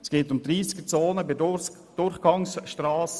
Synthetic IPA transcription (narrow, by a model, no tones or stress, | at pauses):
sɡ̥eːtʊmd̪ɾiːsɡ̥ət͡soːnəbɪ | d̥ʊɾχɡ̥ɑŋsʃtɾɑːs